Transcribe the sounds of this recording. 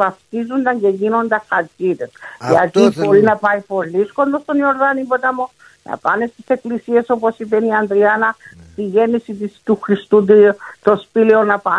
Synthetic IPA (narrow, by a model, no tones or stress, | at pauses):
vɐft̪izund̪ɐɲɟe̞ʝino̞nd̪ɐxɐɾcit̪esʝɐ̰t̪ibo̞ɾinɐpɐipo̞lːisko̞nd̪ost̪o̞nio̞ɾðɐnimbo̞t̪ɐmo | nɐ̰pɐne̞st̪i̥se̞klisie̞so̞po̞sipeniɐnd̪ɾiɐnɐst̪iʝe̞nisit̪ist̪uxɾist̪ut̪̬it̪o̞spileo̞nɐpɐ